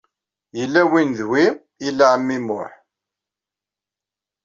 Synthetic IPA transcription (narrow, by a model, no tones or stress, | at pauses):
jəlːæwinðwi | ilːaʕmːimʊħ